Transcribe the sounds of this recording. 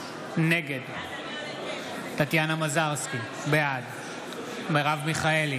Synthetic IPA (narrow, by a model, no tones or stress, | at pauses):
ne̞ɡed̪ | t̪at̪janamazaʁski | bead̪ | meʁavmiχaeli